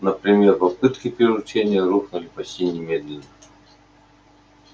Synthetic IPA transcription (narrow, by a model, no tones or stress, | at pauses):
nəpɾʲɪmʲerpɐpɨt̪kʲɪpʲɪɾʲɪʊt͡ɕenʲɪjəɾuxnʊlʲɪpɐɕʲtʲinʲɪmʲed̪lʲɪnːə